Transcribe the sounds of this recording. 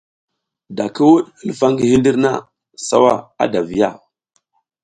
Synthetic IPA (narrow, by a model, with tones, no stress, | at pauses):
da˨ki˦wu˦ɗə˦lfa˦ŋɡi˨hi˦ndi˦ɾna̰˦ | sa̰˦wa˦˨a̰˦da˨vi˨ja̰˦˨